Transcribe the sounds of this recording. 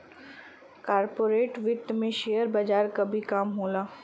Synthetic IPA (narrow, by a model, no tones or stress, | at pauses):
kaːɾpoːɾeːʈʋɪt̪ːmẽʃeːjəɾbɐd͡ʒaːɾkabʱikaːmɦoːlaː